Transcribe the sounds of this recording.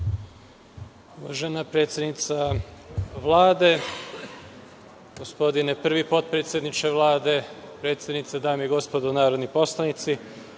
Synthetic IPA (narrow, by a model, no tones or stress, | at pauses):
uʋa̰ʒenapɾe̞ːt̪sjed̪nit̪sa | ʋlˠaːd̪e̞ | ɡ̥ospo̞d̪inepr̩ʋipo̞t̪̚pɾet̪sjed̪nit͡ʃeʋlˠaːd̪e̞pɾe̞ːt̪sjed̪nit̪sed̪aːmiiɡo̞spod̪onaːɾo̞d̪nipo̞slˠanit̪si